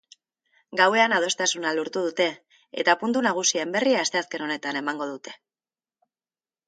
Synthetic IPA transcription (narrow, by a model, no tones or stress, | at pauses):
ɡawe̞anað̞o̞st̪asunaluɾt̪uð̞ut̪e̞ | ḛt̪apunt̪unaɣ̞usiaembe̞riaːst̪e̞aske̞no̞ne̞t̪ane̞maŋɡo̞ð̞ut̪e̞̥